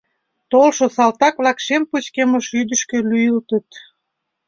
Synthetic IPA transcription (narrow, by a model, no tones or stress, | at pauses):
t̪olʃosɑlt̪ɑkβlɑkʃemput͡ɕkemoʃyd̪ə̆ʃkĕlyjəlt̪ə̆t̪